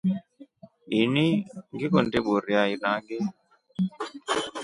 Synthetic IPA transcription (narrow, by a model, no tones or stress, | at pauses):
iniŋɡikɔndeɓoɾiainaŋɡe